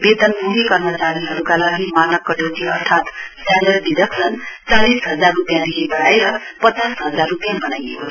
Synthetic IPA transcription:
bed̪ʌnmuɦikʌrmʌt͡saɾiɦʌɾukalaɡimanʌkːʌʈowʈiʌrt̪ʰat̪salerdid̪ʌksʌnt͡salisɦʌd͡zarːupjãd̪iɦebʌɽaeɾʌpʌt͡sasɦʌd͡zarːupjãbʌnajḛko

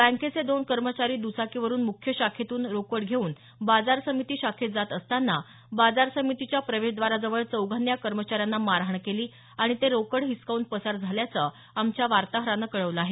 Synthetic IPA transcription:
bæ̃ŋket͡sed̪onkəɾmət͡ɕaɾiːd̪usakiʋəɾuːnmukʰjəɕakʰet̪uːnɾokəɽɡʱeuːn | bad͡zaɾsəmit̪iːɕakʰet̪̚d͡zat̪əst̪anːa | bad͡zaɾsəmit̪it͡ɕjapɾəʋeɕd̪ʋaɾad͡zəʋəɭt͡səwɡʱanjakəɾmət͡ɕaɾjanːamaɾaɦɳkeliː | aɽ̃it̪eɾokəɽɦiskaunt̪̚pəsaɾd͡zʱaljat͡sə | amt͡ɕjaʋaɾt̪aɦɾanːakəɭəʋləaɦe

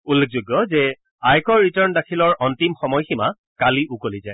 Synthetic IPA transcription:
ulːek̚ʰzuɡjɔzɛ | ajkɔɹːitaɹndakʰilɔɹʔɔntimxɔmɔjxima | kaliʔukolizaj

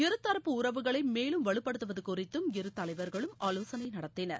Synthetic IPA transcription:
ɪɾɯt̪ːɐɾɐpːɯʊrɐʋɯɣɐɭɐɪmeːlɯmʋɐɭɯpːɐɽɯt̪ːɯʋɐðɯkʊrɪt̪ːɯmɪɾɯt̪ːɐlɐɪʋɐɾɣɐɭɯmaːloːsɐnɐɪnɐɽɐt̪ːɪnɐ̰ɾ

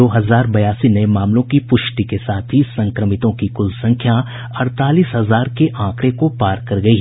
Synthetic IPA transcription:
oːɦɐzaːɾbɐjaːsinɐemaːmlõkipʊʃʈikesaːt̪ʰɦisɐ̃ŋkɾəmɪt̪õkikʊlsɐ̃ŋkʰja | ɐɽt̪aːliːsɦɐzaːɾkeʔãːkɾekopaːɾkɐɾɡɐiɦ

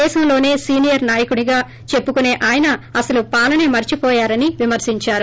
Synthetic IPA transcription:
ɛːʃɐmlo̞ːne̞ːsiːnijɐɾnaːjɐkuɳiɡaː | t͡ʃe̞pːukune̞ːʔaːjɐnɐɐsɐlupaːlɐneːmɐɾt͡ʃipɔːjaːɾɐniʋimɐɾsiɲt͡ʃaːɾu

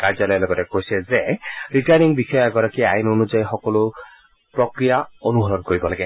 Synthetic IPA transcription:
kaɾd͡ʒɔlɔjaloɡɔtekojsɛzeɾiʈaniŋbixɔjɛɡɔɾakiainonuzajxɔkɔlu | pɾɔkɾijaonuɦɔɾɔnkoɹibɔlaɡe

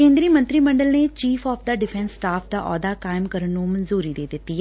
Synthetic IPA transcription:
kẽːnd̪ɾiːmə̃nt̪ɾiːmə̃ɳɖəlneːt͡ʃiːfʰɔːpʰd̪əɖɪpʰɛnsːʈaːpʰd̪aʔɔ̰ːd̪aːkaːɪmkəɾənːũːmənzuːɾiːd̪eːd̪ɪt̪ːiː

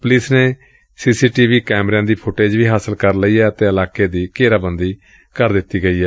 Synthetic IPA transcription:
pəlɪsneː | siːsiːʈiːʋiːkɛːmɾãːd̪iːpʰʊʈeːd͡ʒʋiːɦaːsəlkəɾləiːɛːət̪ẽːəlaːkeːd̪iːkeːɾaːbənd̪iː | kəɾd̪ɪt̪ːiːɡəiːɦɛː

